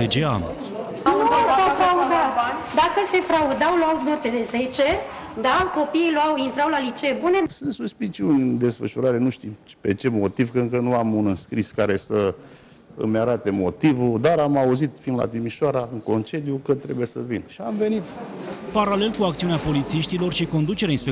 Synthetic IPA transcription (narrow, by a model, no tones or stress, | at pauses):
ed͡ʒeam | auasəfɾaud̪əd̪akəse̞fɾaud̪awloawut̪murt̪ed̪e̞ze̞t͡ʃe̞d̪ako̞piiluawint̪ɾawlalit͡ʃejebune̞sɨnt̪suspit͡ʃiunʲɨd̪e̞sfə̰ʃuɾaɾe̞nuʃt̪impe̞t͡ʃe̞mo̞t̪ivkəɨŋkənuamunɨnskɾiskaɾe̞sə | ɨ̰mʲaɾat̪e̞mo̞t̪ivud̪aɾamauzit̪find̪la̰t̪imiʃoaɾaɨŋko̞nt͡ʃed̪jukət̪ɾe̞bujesə̰vinʃiamve̞nit̪paɾale̞lkuak̚t̪siuneapo̞lit̪siʃt̪ilo̞rʃiko̞nd̪ut͡ʃeɾeainspe